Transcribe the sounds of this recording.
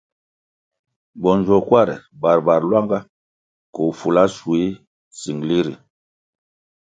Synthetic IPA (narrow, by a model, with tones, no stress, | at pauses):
bɔ˨n˨d͡ʒɔ˨kwa˦˨ɾɛ̰˨ba˨ɾba˨ɾlwa˦ŋɡa˦ | ko˨fu˨la˦su˨i˦ | si˨ŋ˨li˦ɾi˨